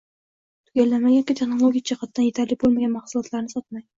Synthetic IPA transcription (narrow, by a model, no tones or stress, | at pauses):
t̪ʰʊɡʲalːanmaɡʲaŋkʲɪt̪ʰe̞χnolˠoɡʲijat͡ʃʰaqʰɑt̪̚d̪anje̞t̪ʰaɾlɪk̚ʲbolˠmaɡʲanmɑχsulˠɒt̪laɾnɪsɒt̪̚maj